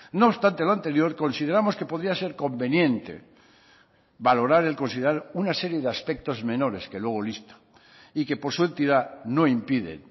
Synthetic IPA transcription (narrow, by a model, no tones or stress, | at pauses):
noːβst̪ant̪e̞loant̪e̞ɾjo̞ɾko̞nsið̞e̞ɾamo̞ske̞po̞ðɾiase̞ɾko̞mbe̞njẽ̞nt̪e̞̰ | βalo̞ɾaɾe̞lko̞nsiðeɾaɾunase̞ɾje̞ðeaspe̞k̚t̪o̞zmẽ̞no̞ɾe̞ske̞lwe̞ɣ̞o̞list̪o̥ | ike̞poɾsue̞nt̪iðano̞impiðḛn